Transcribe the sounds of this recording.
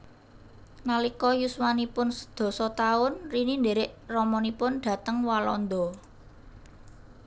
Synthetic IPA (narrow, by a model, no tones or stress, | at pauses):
nalikɔjusmanipʊnsə̥d̪̥ɔ̤sɔt̪aʊnrinind̪eɾɪʔrɔmɔnipʊnɖ̪̥ä̤t̪əŋwalɔ̰nd̪ɔ